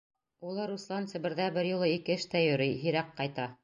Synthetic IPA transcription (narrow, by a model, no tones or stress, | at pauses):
ulˠɤɾuslˠɑnt̪sɘ̆bɘ̆ɾðæbɘɾjŭlˠɤikɘɘʃt̪æjɵ̆ɾɘjɦĭɾæqqɑjt̪ɑ